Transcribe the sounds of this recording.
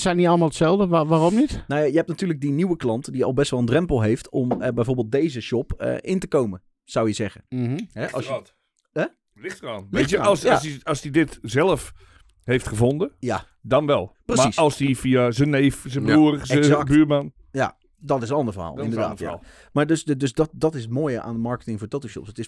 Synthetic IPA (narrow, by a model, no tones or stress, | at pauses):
sɛjniɑlˠəmalˠətsɛlˠdəʋaromnitnawjajəɦɛp̚natyːləɡ̚diniwəklɑntdiɔ̰lˠbɛstʋɛlˠəndrɛmpəlˠɦejftɔmbɛjvoːɹbeːlˠt̚dejzəʃɔpə̰ʔɪntəkowmə | z̥awjəzɛɣəɦɛʔɔ̰ | ɛ | lɪxtraːnʋlɪjəɔssiɑsdidɪtzɛlˠəf | hejftχəvondəja | dɔnʋɛlˠprəmsisɔlˠsdifiazənːeːfzəbuəsəkbyːman | ja̰ | dɔtɪs̬ənɑndəɹvərɦa̰ːlˠɪ̰ndəɹda̰ːtja̰ | maɹdøsddøsdɔtdɔtɪsəmoːjəʔa̰ːndəmɑɹkətɪŋfʊːɹtotoʃjɔ̰psətɪs